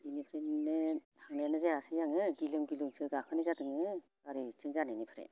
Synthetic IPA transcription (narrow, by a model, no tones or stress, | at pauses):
inipʰɯɾenɯ | hʰaŋnenɯzaasɯjaŋɯɡilɯŋɡilɯŋsʰɯɡakʰɯnizadɯŋɯ | aɾit͡ʃʰɯŋzanenipʰɯɾḛn